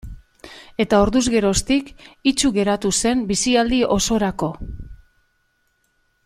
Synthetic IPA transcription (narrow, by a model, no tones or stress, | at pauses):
e̞t̪aoɾðuzɣe̞ɾo̞st̪ikit͡ʃuɣe̞ɾat̪use̞mbisiald̪io̞so̞ɾako̞